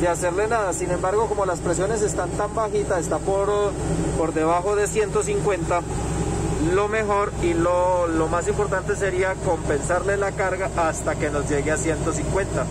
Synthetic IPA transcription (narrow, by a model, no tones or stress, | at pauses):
d̪ease̞ɾle̞naðasinẽ̞mbaɾɣo̞ko̞mo̞laspɾe̞s̬jo̞ne̞s̬e̞st̪ant̪ambaxit̪ae̞st̪apoɾpo̞ɾd̪e̞β̞axo̞ðe̞sje̞nt̪o̞s̬iŋkwe̞nt̪a | lo̞me̞xo̞ɾilolo̞mas̬impo̞ɾt̪ant̪e̞s̬e̞ɾiako̞mpe̞nsaɾlelakaɾɣaʔːst̪ake̞no̞zd͡ʒe̞ɣeasje̞nt̪o̞s̬iŋkwe̞nt̪a